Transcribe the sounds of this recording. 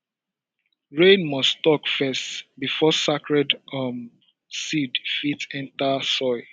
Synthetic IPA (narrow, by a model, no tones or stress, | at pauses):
ɹẽnmɔstɔkfɛstbifɔsakɹɛdʌm | sidfitɛ̃ntasɔɪ